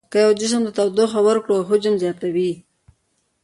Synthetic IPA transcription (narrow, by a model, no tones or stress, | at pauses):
kəjawd͡ʒɪs̬əmd̪ət̪awd̪oxawəɾkɽoɦʊd͡ʒɪmzjɑt̪awi